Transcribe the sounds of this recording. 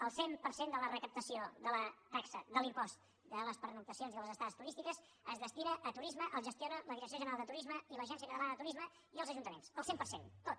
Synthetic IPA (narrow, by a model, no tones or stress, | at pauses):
əlˠsempəɾsend̪ələrəkəp̚t̪əsioðələt̪aksəðəlimpɔst̪ | d̪ələspəɾnut̪əsionziðələzəst̪aðəst̪uɾist̪ikəs | əzβəst̪iɾəʔːt̪uɾizməʔəlˠʒəst̪ionələðiɾəks̬ioʒənəɾalˠd̪ət̪uɾizməiləʒɛns̬iəkət̪əlanəðət̪uɾizmə | iəlˠzəʒunt̪əmensəlˠsempərsent̪ot̪